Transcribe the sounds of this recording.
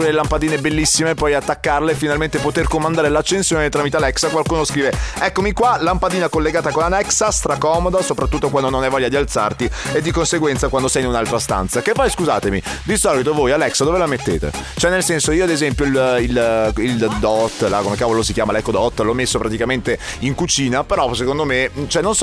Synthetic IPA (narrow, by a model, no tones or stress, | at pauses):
klelampad̪iːnebelːisːimepːɔjat̪ːakːarlefinalment̪epot̪erkomːand̪aːɾelat͡ʃːensjoːnet̪ɾamit̪ealɛksakwalkuːnoskɾiːveɛkːomikwalampad̪iːnakolːeɡaːt̪akonanɛksast̪ɾakɔmod̪asopɾat̪ːut̪ːokwand̪ononɛvːɔʎːad̪ialt̪sa̰rt̪ied̪ːikonseɡwɛnt̪sakwand̪osɛjinunalt̪ɾast̪a̰nt̪sakepːɔjskuza̰ːt̪emid̪isɔlit̪ovojalɛksad̪ovelamet̪ːḛːt̪ḛt͡ʃoɛnelsɛnsoiːoad̪ezɛmpjoililild̪ɔt̪ːlakomekaːvolosikjaːmalɛkːod̪ɔt̪ːlɔmːesːopɾat̪ikament̪eiŋkut͡ʃiːnapeɾɔsekond̪omet͡ʃoɛnːons